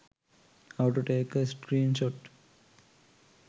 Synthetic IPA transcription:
haʊʈuʈeːkəsʈɾiːnʃoʈ

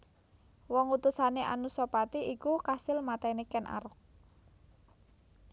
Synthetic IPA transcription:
wɔŋut̪usaneʔa̰nusɔpat̪iʔikukasɪlmat̪ɛnekɛnʔa̰ɾʊk̚

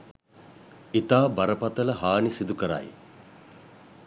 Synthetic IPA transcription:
it̪aːbaɾəpat̪ələɦaːnisid̪ukəɾa̰j

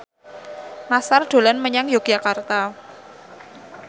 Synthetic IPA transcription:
nasarɖ̥o̤lanməɲaŋjoɡ̥jakart̪a

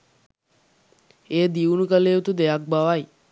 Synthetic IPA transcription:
eːd̪iunukəleːut̪ud̪eak̚baʋaj

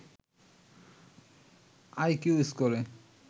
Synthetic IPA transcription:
ajkuiskɔɾe

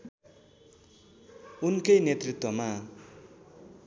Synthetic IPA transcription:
unkʌjnet̪rit̪wʌma

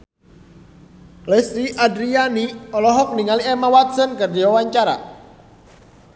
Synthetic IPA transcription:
lɛsɾiʔadɾianiɔlɔɦɔk̚niŋaliɛmawat̪̚sənkərdiwawaɲt͡ʃaɾa̰

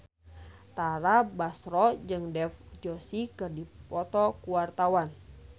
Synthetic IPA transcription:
t̪aɾabasɾɔd͡ʒɨŋdɛfd͡ʒɔsikɨrdipɔt̪ɔkuwart̪awan

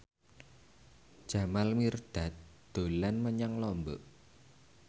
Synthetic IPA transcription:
d̥ʒ̥a̤malmird̪̥a̤t̪̚ | d̪̥o̤lanməɲaŋlɔmbəʔ

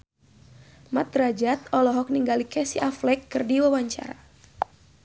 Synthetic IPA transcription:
mat̪rad͡ʒat̪̚ɔlɔɦɔk̚niŋɡalikɛsiʔaflɛkːɨrdiwawaɲt͡ʃa̰ɾa

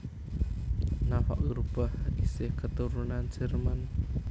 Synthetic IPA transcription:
nafa̰ʔɡɾubahaɡisɪhkət̪uɾunand͡ʒərman

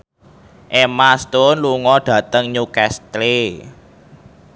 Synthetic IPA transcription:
ʔemast̪ʊnluŋɔɖ̥ä̤t̪əŋɲukɛst̪le

